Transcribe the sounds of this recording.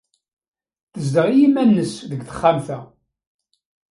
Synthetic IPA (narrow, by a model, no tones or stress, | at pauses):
θəzd̪əʁijimænːəsðəɡθə̥χːamθæ